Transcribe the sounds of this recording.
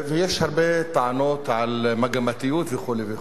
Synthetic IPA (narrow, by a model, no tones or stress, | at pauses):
vejeʃhaʁbet̪aʕanot̪ʕalmaɡamat̪ijut̪veχulevex